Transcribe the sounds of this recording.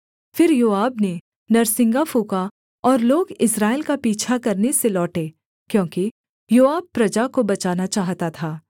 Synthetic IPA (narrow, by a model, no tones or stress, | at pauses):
fɪɾjoːaːbne | nɐɾsɪ̃ŋɡafuːka | ɔːɾloːɡɪsɾaːɪlkapiːt͡ʃʰakɐɾneselɔːʈeː | kjõːki | joːaːb̚pːɾɐd͡ʒakobɐt͡ʃaːnat͡ʃaːɦt̪at̪ʰaː